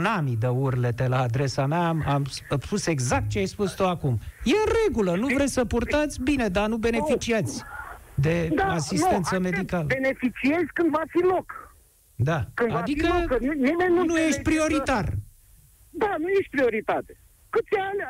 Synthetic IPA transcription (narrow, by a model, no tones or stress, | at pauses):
namid̪əurlet̪elaːd̪ɾe̞sameamamsspuse̞ɡzak̚t̪̚t͡ʃeajspust̪uakumje̞ɨnre̞ɡulənuvɾesəpurt̪at̪sʲbine̞d̪anube̞ne̞fit͡ʃiat̪sʲd̪e̞d̪aasist̪e̞nt̪səme̞d̪ikaləbenefit͡ʃiezʲkɨnd̪vafilok | d̪akɨnavad̪ikəmienunujeʃt̪̚ʲpɾio̞ɾit̪ar | d̪anujeʃt̪̚pɾio̞ɾit̪at̪e̥ | kɨt̪sʲanʲ